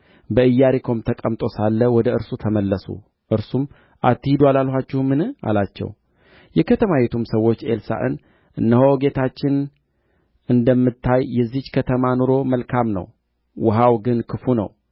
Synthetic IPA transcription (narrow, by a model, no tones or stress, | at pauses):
bəɨjːaɾikʰo̞mt̪ʰəkʼəmt̪ʼo̞salːəwɔd̪əɨɾsut̪ʰəməlːəsṵ | ʔɨɾsum | ʔat̪ːɨhid̪ualalhʷat͡ʃːɛhmɨnɨa̰lat͡ʃːɛ̰w | jɛkʰət̪ʰəmawet̪ʰumsəwːo̞t͡ʃːelsa̰ʔɨ̰n | ʔɨnːəhoɡe̞t̪ʰat͡ʃːɪn | ɨnd̪əmːɨt̪ʰːajːɛzːit͡ʃːkʰət̪ʰəmanoɾo̞məlkʰamnə̰w | wʔəɦawɡɨnkʰɨfunə̰w